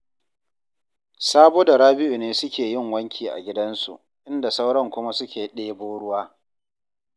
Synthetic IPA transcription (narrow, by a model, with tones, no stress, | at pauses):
saː˦boː˦da˨ɽaː˦bɪ˦ju˨neː˦sʊ˦kʲeː˨jɪ˦˨ŋwɐ˦ŋkʲʰiː˨ʔa̰˨ɡʲɪ˦dɐ˦nsṵ˨ʔ | ʔɪ˦nda˨sa˦wɽɐ˦˨ŋkʷʊ˦ma˦sʊ˦kʲeː˨ɗeː˦boː˦ɽʊ˦waː˦